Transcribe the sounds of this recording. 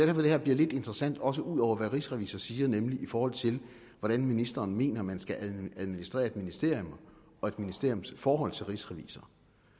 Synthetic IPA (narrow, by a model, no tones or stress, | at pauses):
d̥æɐfɒd̥e̝hɛɐ̰bliɐle̝d̥e̝nd̥ʁɐsæn̰d̥ɒ̽səʔuð̰ˠɒʊ̰ɐʋæʁisʁɛʋḭːsɐsiːɐnemliʔifɒːhɒ̽l̰t͡sʰe̝l | ʋɒɾ̥ænminisd̥ɐːnme̝̰ːnɐmænsɡ̥æʔæðˠminisd̥ʁɛ̰ːɐe̝d̥minisd̥e̝ɐ̰jom | ɒ̽e̝d̥minisd̥e̝ɐ̰jomsfɒːɦɒ̽l̰t͡sʰe̝lʁisʁɛʋḭːsɐ